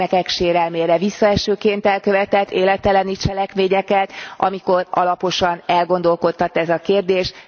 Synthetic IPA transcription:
ɛkɛkʃeːɾɛlmeːɾɛvisːɒɛʃøːkeːnt̪ɛlkø̞vɛt̪ɛt̪ːeːlɛt̪ɛlɛnit͡ʃɛlɛkmeːɲɛkɛt̪ʔɒ̰miko̞rɒ̰lɒpo̞ʃɒnɛlɡo̞nd̪o̞lko̞t̪ːɒt̪ɛzɒkeːrd̪eːʃ

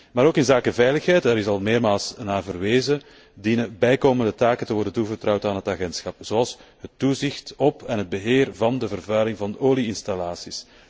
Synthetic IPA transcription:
maːɾoːkɪnzaːkəvɛjləxɦɛjtɛɾɪsɑlˠmeːrmaːlˠsnaːvərʋeːzə | dinəbɛjkoːməndətaːkəntəʋɔrdəntuvərtrɑwtaːnɦətaɣɛntsxɑpz̥oɑlˠsɦətːuzɪxtɔpɛnɦəd̚bəɦeːrvɑndəvərvœɥlɪŋvɑndəʔoːliɪnstalaːsis

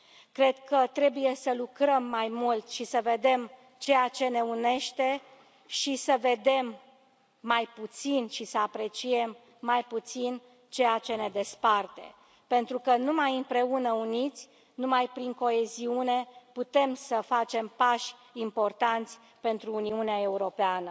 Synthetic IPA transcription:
kɾe̞d̪kət̪ɾe̞buje̞səlukɾəmːajmult̪ʃisəve̞d̪e̞m | t͡ʃe̞jat͡ʃe̞ne̞une̞ʃt̪e̞ | ʃisəve̞d̪e̞mː | ajput̪sinʃisəapɾe̞t͡ʃie̞mː | ajput̪sin | t͡ʃe̞jat͡ʃe̞ne̞d̪e̞spart̪e̞̰ | pe̞nt̪ɾukənumajɨmpɾe̞unəunit̪sʲ | numajpɾiŋko̞e̞ziune̞put̪e̞msəfat͡ʃe̞mpaʃʲimpo̞rt̪ant̪sʲ | pe̞nt̪ɾuːniuneae̞uɾo̞peanə

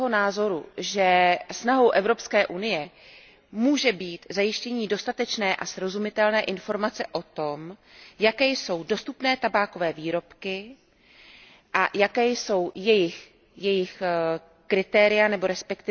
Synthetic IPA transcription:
ɦonaːzo̞ɾuʒɛsnaɦo̞wʔɛvɾo̞pskɛːʔunɪjɛ | muːʒɛbiːt̪zajɪʃcɛɲiːdo̞st̪at̪ɛt͡ʃnɛːʔasɾo̞zumɪt̪ɛlnɛːʔɪnfo̞ɾmat͡sɛʔo̞t̪o̞mjakɛːjso̞wdo̞st̪upnɛːt̪abaːko̞vɛːviːɾo̞pkɪ | ʔajakɛːjso̞wjɛjɪx | jɛjɪx | kɾɪt̪ɛːɾɪjanɛbo̞ɾɛspɛkt̪ɪ

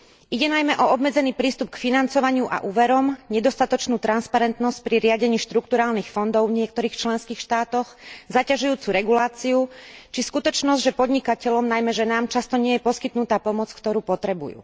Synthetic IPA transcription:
ʔiɟɛnajmɛʔɔɔbmɛd͡zɛniːpɾiːst̪up̚kfinant͡sɔʋaɲɪuʔa̰ʔuːʋɛɾɔmɲɛd̪ɔst̪at̪ɔt͡ʃnuːt̪ɾanspaɾɛnt̪nɔsc̚pɾiɾɪaɟɛɲiːʃt̪ɾuk̚t̪uɾaːlnixfɔnd̪ɔʊvɲɪɛk̚t̪ɔɾiːxt͡ʃlɛnskiːxʃt̪aːt̪ɔxzacaʒujuːt͡suɾɛɡulaːt͡siut͡ʃiskut̪ɔt͡ʃnɔzɟʒɛpɔd̪ɲikacɛʎɔmnajmɛʒɛnaːmt͡ʃast̪ɔɲɪɛjɛpɔskit̪nut̪aːpɔmɔt͡skt̪ɔɾuːpɔt̪ɾɛbṵjṵː

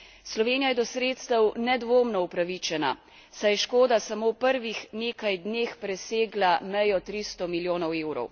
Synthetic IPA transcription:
slɔʋeːnijajɛd̪ɔsɾeːt̪st̪əwnɛd̪ʋoːmnɔupɾaʋit͡ʃɛna̰ | sajɛʃkoːd̪asamowpəɾʋixneːkajd̪neːxpɾɛseːɡlamɛjɔt̪ɾist̪ɔmiljoːnɔweːwɾɔ̰w

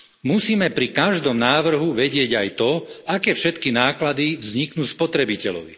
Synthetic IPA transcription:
musiːmɛpɾikaʒd̪ɔmnaːʋr̩ɦuʋɛɟɪɛɟajt̪ɔakɛːfʃɛt̪kinaːklad̪iʋzɲiknuːspɔt̪ɾɛbicɛlɔ̰ʋḭ

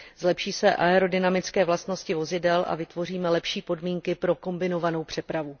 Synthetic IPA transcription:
zlɛpʃiːsɛʔaɛɾo̞dɪnamɪt͡skɛːvlast̪no̞scɪvo̞zɪdɛlʔa̰vɪt̪vo̞riːmɛlɛpʃiːpo̞dmiːŋkɪpɾo̞ko̞mbɪno̞vano̞wpr̝̥ɛpɾavu

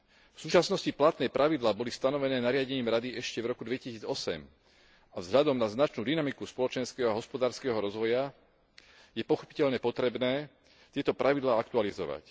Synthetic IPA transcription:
fsuːt͡ʃasnɔsciplat̪nɛjpɾʔaʋid̪laːbɔlist̪anɔʋɛnɛːnaɾɪaɟɛɲiːmɾad̪iɛʃcɛvɾɔkud̪ʋɛcisiːd͡zɔsɛ̰m | avzɦʎad̪ɔmnaznat͡ʃnuːd̪inamikuspɔlɔt͡ʃɛnskɛːɦɔaɦɔspɔd̪aːɾskɛːɦɔɾɔzʋɔja | jɛpɔxɔ̥pi̥cɛʎɲɛpɔt̪ɾɛbnɛː | t̪ɪɛt̪ɔpɾʔaʋid̪laːakt̪ualizɔ̰ʋa̰c

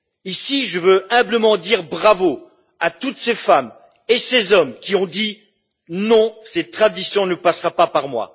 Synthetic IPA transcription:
isiʒəvøɛ̃bləmɑ̃d̪iʁbʁavo | at̪ut̪sefam | esezɔmkʲiɔ̃d̪i | nɔ̃sɛt̪t̪χad̪isjɔ̃nəpasʁapapaʁmwa̰

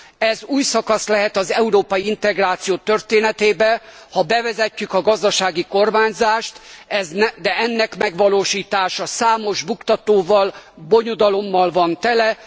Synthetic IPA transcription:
ɛzuːjsɒkɒslɛɦɛt̪ɒzɛuɾoːpɒjiint̪ɛɡraːt̪sijoːt̪ørt̪eːnɛt̪eːbɛ | hɒbɛvɛzɛcːykɒɡɒzd̪ɒʃaːɡiko̞rmaːɲzaːʃt̪ɛznɛd̪ɛɛnːɛkmɛɡʋɒloːʃiːt̪aːʃɒsaːmo̞ʒbukt̪ɒt̪oːvɒlbo̞ɲod̪ɒlo̞mːɒlvɒnt̪ɛlɛ

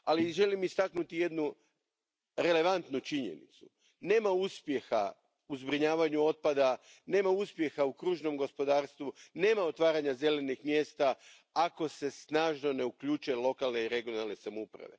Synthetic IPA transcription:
aliʒe̞limist̪aknut̪ije̞d̪nu | ɾe̞le̞ʋant̪nut͡ʃiɲe̞̰nḭt̪su̥ | ne̞ːmauspje̞xa̰ | uzbɾiɲaːʋaɲuo̞t̪̚pad̪a | ne̞ːmauspje̞xaukɾuːʒno̞mɡo̞spo̞d̪aːɾst̪ʋune̞ːmao̞t̪ʋaːɾaɲaze̞le̞nixmje̞ːst̪a | ako̞se̞snaːʒno̞ne̞ukʎuːt͡ʃuelˠo̞kalne̞iɾe̞ɡijo̞nalˠne̞samoupɾa̰ʋe̞̰

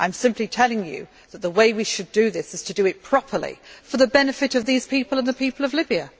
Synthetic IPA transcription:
ʔãɪ̃msɪ̃mpʰlitʰɛlˠɪ̃ŋjɨ̰ | ðət̪̚ðəweɪwiʃɨdɨðɪsɨz̥tʰɨdɨɨt̚pʰɹ̥ɒpʰə˞lḭfə˞ðəbɛnɨfɨɾʌvðiz̥pʰipəlˠə̃nðəpʰipəlˠʌvlɪbiɨ

